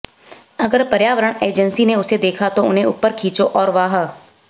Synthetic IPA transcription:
ɐɡəɾpɐɾjaːʋəɾəɽ̃eːd͡ʒənsineʊsed̪eːkʰat̪oʊnɦẽʊpːəɾkʰiːt͡ʃoʔɔːɾʋaːɦə

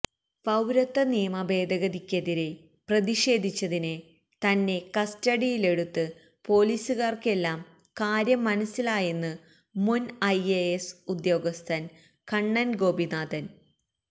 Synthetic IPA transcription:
pɐwɾɐt̪ːɐnijɐmɐbe̞ːd̪ɐɣɐðikʲːɐðiɾe̞ | prɐðiʂe̞ːd̪ʱit͡ɕːɐðinɨ | t̪ɐnːe̞kɐstɐɽijile̞ɽut̪ːɨ | po̞ːliːsuɣaːrke̞lːaːm | kaːɾjɐmːɐnɐsːilaːjenːɨ | munɐjeesud̪jo̞ːɡɐst̪ʰɐn | kɐɳːɐnɡo̞ːbinaːd̪ɐn

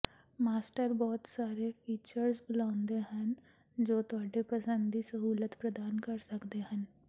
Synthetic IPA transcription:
maːsʈəɾbɔːt̪saːɾefʰiːt͡ʃəɾsbʊlaːʊ̃nd̪eɦən | d͡ʒoːt̪ʊaːɖepəsə̃nd̪isɐɦuːlət̪pɾɐd̪aːnkɐɾsɐkd̪eɦən

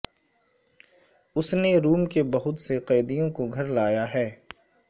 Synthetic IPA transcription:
ʊsneɾuːmkebɐɦʊt̪seqɛːd̪ijõkoɡʱɐɾlaːjaɦɛː

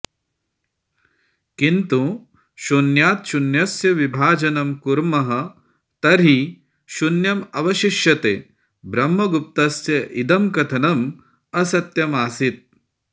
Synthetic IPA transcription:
kint̪u | ʃunjaːt̪ʃunjɐsjɐʋibʱaːd͡ʒɐnɐmkuɾmɐɦɐ̆ | t̪ɐɾɦi | ʃunjɐmɐʋɐʃiʃjɐt̪eː | bɾɐmːɐɡup̚t̪ɐsjɐʔid̪ɐmkɐt̪ʰɐnɐm | ɐsɐt̪jɐmaːsit̪̚

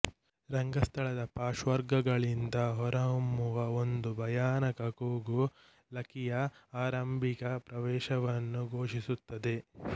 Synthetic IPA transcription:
ɾɐŋɡɐst̪ʰɐɭɐd̪ɐpaːʃʋɐɾɡɐɡɐɭind̪ɐɦɔɾɐɦɐmːuʋɐo̞nd̪ubʱɐjaːnɐkɐkoːɡu | lɐkijɐaːɾɐmbʱikɐpɾɐʋɛːʃɐʋɐnːuɡʱoːʂisut̪ːɐd̪e̞

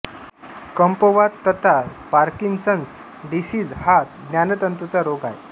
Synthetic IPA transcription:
kəmpəʋat̪ːət̪aɾ | paɾkiŋɡsəns | d̪isiːd͡zhat̪ɡ̪njanət̪ənt̪ut͡saɾoɡaj

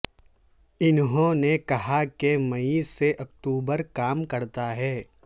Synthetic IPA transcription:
ɪnɦõnekɐɦakemɐiseʔɐkʈuːbəɾkaːmkɐɾt̪aɦɛː

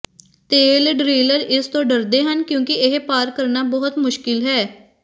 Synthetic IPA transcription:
t̪eːlɖɾiːləɾɪst̪õːɖəɾd̪eːɦənkjũːkɪɪɦpaːɾkəɾnaːbɔɦʊt̪mʊʃkɪlɦɛː

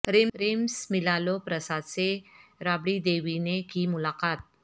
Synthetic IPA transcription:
ɾimɾimsmilalopɾəsad̪̚t͡seɾabɽid̪eʋinekiːmulakat̪̚

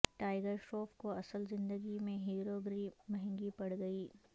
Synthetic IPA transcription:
ʈaːɪɡəɾʃoːpkoɐsəlzɪ̃nd̪əɡimẽɦiːɾoːɡɾimɐɦɛ̃ŋɡipɐɽɡɐiː

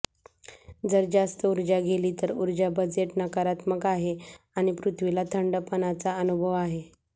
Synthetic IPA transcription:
d͡zəɾd͡zast̪əuɾd͡ʑaɡʱeliːt̪əɾuɾd͡ʑabəd͡zeʈnəkaɾat̪məkaɦe | aɽ̃ipɾut̪ʰʋilat̪ʰəɳɖəpənat͡saənubʱəʋaɦe

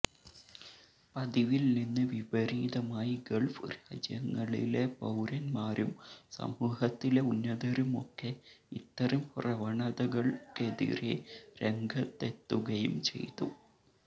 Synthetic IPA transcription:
pɐðiʋilninːɨʋiʋɐɾiːðɐmaːjiɡɐɭfɾaːd͡ʑjɐŋːɐɭḭle̞pɐwɾɐnmaːɾumsɐ̰muːhɐt̪ːile̞unːɐðɐɾumo̞̰kːe̞ | it̪ːɐɾɐmprɐʋɐɳɐðɐɣɐɭke̞ðḭɾeɾe̞ŋɡʱɐt̪ːe̞t̪ːuɣɐjṵmt͡ɕe̞̰jt̪ːṵ

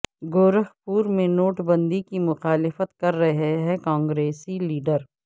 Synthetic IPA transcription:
ɡoːɾəɦpuːɾmẽnoːʈbɐ̃nd̪ikimʊxaːlɪfət̪kɐɾːɐɦɦɛkãːŋɡɾeːsiliːɖəɾ

